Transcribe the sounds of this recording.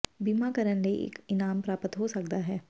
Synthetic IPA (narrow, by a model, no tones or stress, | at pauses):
biːmakəɾənleʔḛːkɪnaːmpɾaːpət̪ɦosɐkd̪aɦɛː